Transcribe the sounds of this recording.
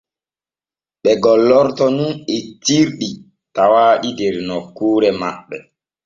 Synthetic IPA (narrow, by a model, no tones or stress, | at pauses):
ɓɛɡɔlɔɾtɔnunetiɾɗi | tawaːɗideɾnɔkuːɾɛma̰ɓːɛ